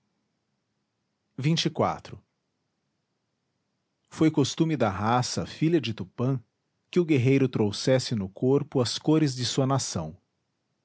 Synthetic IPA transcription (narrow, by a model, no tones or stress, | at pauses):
vĩt͡ʃɪkwa̰t̪ɾʊ | fojkost̪ũmɪd̪ɐɦasɐfiʎɐd͡ʒɪt̪upɐ̃ | kɪʊɡeɦejɾʊt̪ɾowsɛsɪnʊkʰoɾpʊɐskoɾɪzd͡ʒɪsuɐnasɐ̰̃w̃